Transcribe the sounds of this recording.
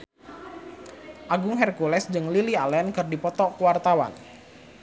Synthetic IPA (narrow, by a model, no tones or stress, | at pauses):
ʔaɡʊŋɦɛrkulɛsd͡ʒɨŋlilialɛnkɨrdipɔt̪ɔkuwart̪awa̰n